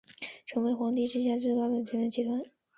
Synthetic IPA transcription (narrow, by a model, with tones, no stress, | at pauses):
ʈ͡ʂʰɤ˧˥ŋwe˧˥ɪxwɑ˧˥ŋt̪i˥˧ʈ͡ʂɻ̩˥˧ɕ̬ja˥˧t͡swe˥˧ɪkɑ˥˩ʊd̪ə˩t͡ɕʰɥɛ˧˥ɻə˧˥nt͡ɕʰi˧˥˩t̪ʰwa˥˩n